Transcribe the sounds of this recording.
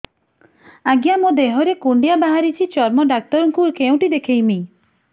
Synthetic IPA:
aɡjamõd̪eɦɔɾekuɳɖijabaɦaɾit͡ʃʰit͡ʃɔɾmɔɖak̚t̪ɔɾɔŋkukeũʈid̪ekʰejmi

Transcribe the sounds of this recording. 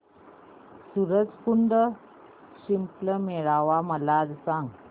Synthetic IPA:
suɾəd͡zkuɳɖə | ɕimpləmeɭaʋaməlad͡zsãŋɡ

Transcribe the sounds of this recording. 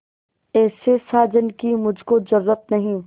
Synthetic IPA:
ɛːsesaːd͡ʒənkimʊd͡ʒʱkod͡ʒɐɾːət̪̚nɐɦĩ

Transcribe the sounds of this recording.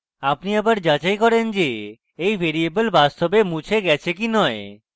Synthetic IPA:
apniabaɾd͡ʑat͡ɕajkɔɾend͡ʑe | ejbʱeɾiebəlbast̪ʰobemũt͡ɕʰeɡɛt͡ɕʰekinɔe

